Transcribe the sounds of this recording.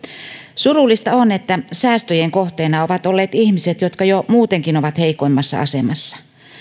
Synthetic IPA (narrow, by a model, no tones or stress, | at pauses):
surulːˑist̪ɑonet̪ːæsæːst̪øjeŋkoht̪eːnɑoʋɑt̪o̞lːe̞ːt̪içmiset̪jot̪kɑjomuːt̪eŋkino̞ʋɑt̪he̞ikoimːɑsːɑ̰ɑ̰se̞mɑsːɑ̥